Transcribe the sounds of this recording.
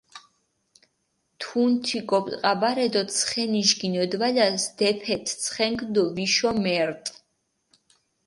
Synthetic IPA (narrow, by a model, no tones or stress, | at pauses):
t̪ʰunt̪ʰikʼɔpʼqʼabaɾɛd̪ɔsʰχɛniʃɡinɔd̪valasd̪̥ɛpʰɛt̪ʰt̪sʰχɛŋɡd̪ɔviʃɔmɛɾt̪ʼ